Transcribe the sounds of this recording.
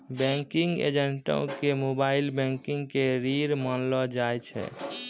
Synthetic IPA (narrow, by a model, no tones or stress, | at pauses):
bɛ̃ŋkiŋɡḛd͡ʒəɳʈõ̰kemobailbɛ̃ŋkiŋɡkeɾiɾmənlɔd͡ʒajt͡ʃʰɛ̰